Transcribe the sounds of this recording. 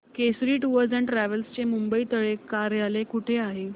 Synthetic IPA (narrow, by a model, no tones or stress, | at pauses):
kesɾiːʈuʋəɾd͡zɛ̃ɳʈɾæʋəlst͡ɕemumbəiːt̪əɭekaɾjalekuʈʰeaɦe